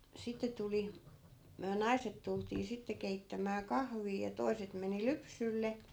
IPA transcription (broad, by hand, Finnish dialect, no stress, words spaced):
sitːe tuli myæ nɑi̯set tultiː sitːe keitːæmæː kɑhʋiː jɑ toi̯set meni lypsylːe